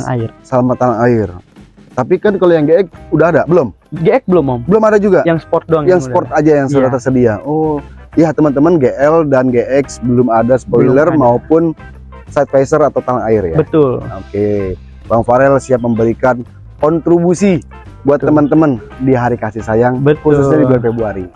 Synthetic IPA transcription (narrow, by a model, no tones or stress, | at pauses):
ŋa̰ɪrsəlamat̪ːalaŋaɪr | t̪apikankalojaŋɡeɛk̚udahadabəlʊm | ɡeɛk̚bəlʊmːambəlʊmadad͡ʒuɡajaŋspɔrt̪̚doaŋjaŋəpɔrt̪̚ad͡ʒajaŋsudat̪ərsədiaɔjaht̪əmənt̪əmənɡeʔɛldanɡeʔɛksbəlʊmadasə̥pɔjilərmaopʊn | sat̪̚fasərat̪awt̪alaŋaɪrjabət̪ʊloke | waŋfaɾɛlsiap̚məmbəɾikan | kɔnt̪ɾibusi | buat̪ːəmənt̪əmən | diɦaɾikasɪhsajaŋbəkɾususɲadibuaɾfebuaɾi